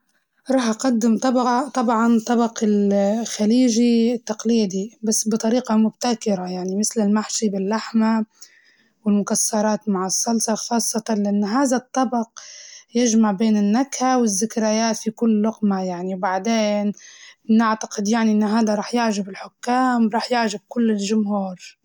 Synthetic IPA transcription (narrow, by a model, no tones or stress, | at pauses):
ɾˤɑːħʔaqad̪ːɪmt̪ˤɑbɑt̪ˤɑbʕɑnt̪ˤːɑbɑqɪlxaliːʒit̪ːɑqliːd̪ibasːbɨt̪ˤɑɾiːqɑmʊb̚t̪akɪɾajaʕnimɪθlɪlmaħʃibɪlːaħma | wɪlmʊkasːɑɾˤɑːt̪maʕɪsˤːɑlsɑxɑːsˤːɑt̪ɑnlɪʔanːɦaːðat̪ˤːɑbɑqjɪʒmaʕbeːnɪnːakhawɪzːɪkɾajaːt̪fikʊlːʊqmajaʕniwbaʕd̪eːnnɪʕt̪ḁqɪd̪jaʕniʔɪnːɦaːd̪aɾˤɑːħjaʕʒabɪlħʊkːaːmɾˤɑːħjɪʕʒab̚kʊlːɪlʒʊmhuːɾ